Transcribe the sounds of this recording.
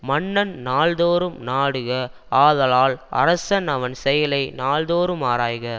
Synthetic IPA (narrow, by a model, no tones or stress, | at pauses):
mɐɳːɐnnaːɭðoːɾɯmnaːɽɯɣɐ | aːðɐlaːlɐ̰ɾɐsɐnɐʋɐnsɛjɐlɐɪnaːɭðoːɾɯmaːɾaːjɣɐ